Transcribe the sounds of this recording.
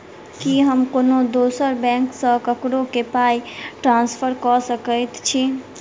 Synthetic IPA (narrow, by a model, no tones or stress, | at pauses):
kiɦəmkonod̪osəɾbɛ̃ŋksə̃kəkɽokepajʈɾãnspʰəɾkɔsəkəjt̪t͡ʃʰi